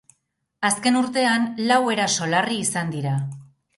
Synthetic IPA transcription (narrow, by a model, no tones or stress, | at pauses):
aske̞nuɾt̪e̞anlawe̞ɾaso̞lariːsand̪iɾa